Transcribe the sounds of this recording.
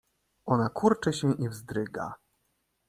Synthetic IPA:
ʔɔnakʰuɾt͡ʂɘɕɛʔivzd̪ɾɘɡa̰

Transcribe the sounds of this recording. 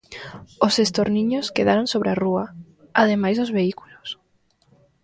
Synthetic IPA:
osest̪oɾniɲoskeðaɾõnsoβɾearua | aðemajzðozβeikulos

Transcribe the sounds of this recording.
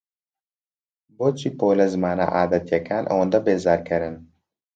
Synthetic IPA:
boːt͡ʃʰipoːlɐzmaːna̰ʔaːd̪ɐt̪jɛkʰaːnʔɐ̰wɔnd̪ɐbeːzaːɾkʰɐɾɪn

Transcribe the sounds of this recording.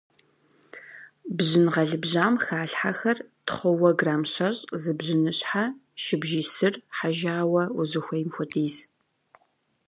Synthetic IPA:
bʑɪnʁɐɮɨbʑaːmxaːɬħaxɐrtχʷʊwɐɡraːmɕɐɕʼzɨbʑɪnɨɕʼħaʃɪbʒiːsɨrħaʒaːwɐwʊzɨxʷɐjmxʷʊdʰiːz

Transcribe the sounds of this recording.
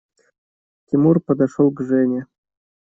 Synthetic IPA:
tʲimurpəd̪aʂolˠɡʐenʲe

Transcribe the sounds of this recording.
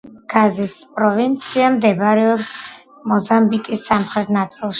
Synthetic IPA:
ɡ̥azispʼɾɔvint̪sʰiamd̪ɛbaɾɛɔps | mɔzambikʼisːamχɾɛt̪̚ʰnat̪sʼilˠʃ

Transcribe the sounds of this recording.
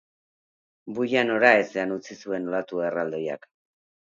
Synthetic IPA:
buʎano̞ɾae̞se̞anut͡sisue̞nolat̪ue̞rald̪o̞ja̰k

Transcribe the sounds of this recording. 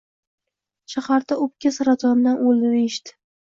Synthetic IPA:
ʃaχaɾd̪aʊp̚kʲasaɾat̪ʰɒnd̪anʔold̪ɪd̪aeʃt̪ɪ̥

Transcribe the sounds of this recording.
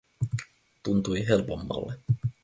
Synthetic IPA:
t̪unt̪ujɦe̞lpo̞mːɑ̰lːe

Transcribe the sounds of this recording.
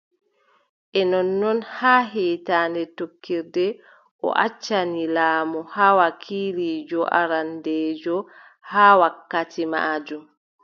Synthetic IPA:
ʔɛnɔnːɔnhaːɦiːtaːndɛtokːiɾdɛ | ʔɔ̰ʔa̰t͡ʃːanilaːmɔhawakʰiːlid͡ʒɔʔa̰ɾandɛːd͡ʒɔ | haːwakːatima̰d͡ʒum

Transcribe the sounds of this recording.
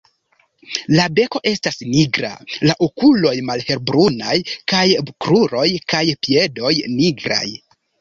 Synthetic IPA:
labe̞ko̞ʔe̞stasniɡɾa̰laʔokulo̞jmalhe̞ɾbɾunajkajkɾuɾo̞jkajpie̞do̞jniɡɾa̰j

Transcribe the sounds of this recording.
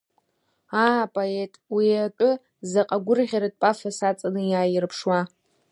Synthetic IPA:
aːpʼoetʼwiatʷʼʊ | zaqʼaɡʷʊrʁʲaɾat̚ʼpʼafasat͡sʼanɨjaːjɪrpʰʂwa

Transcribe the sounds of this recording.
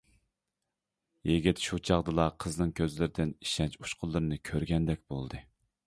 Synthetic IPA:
jeɡʲɪt̪ʃut͡ʃʰɑʁd̪ɨlˠɑqʰəznɨŋkʲʰøzlɪɾɪd̪ɪni̥ʃɛnt͡ʃuʃqʰʊlˠːɨɾɨnɨkʲʰøɾɡʲɛnd̪ɛkʲbolˠd̪ɨ

